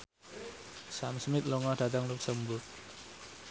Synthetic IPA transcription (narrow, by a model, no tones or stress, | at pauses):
samsmit̪̚lɔŋad̥ad̪aŋluk̚səmbut̚